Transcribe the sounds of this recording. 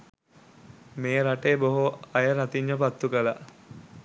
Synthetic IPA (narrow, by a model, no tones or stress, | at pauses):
meːɾaʈeːboɦoɐjəɾat̪iɲːəpat̪ːukəla